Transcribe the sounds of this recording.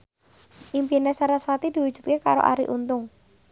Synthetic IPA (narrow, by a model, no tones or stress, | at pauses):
ʔimpinesaɾaswat̪id̪̥i̤wud̥ʒ̥ṳt̪̚kekaɾo̰ʔa̰ɾḭʔunt̪ʊŋ